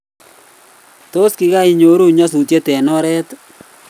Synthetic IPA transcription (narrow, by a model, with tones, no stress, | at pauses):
to˦skɪ˨ɣa˦i˨ɲo˨˦ɾu˦˨ɲɔ˦s̬u˨tje˦tɛ˨nɔ˦ɾɛ˦t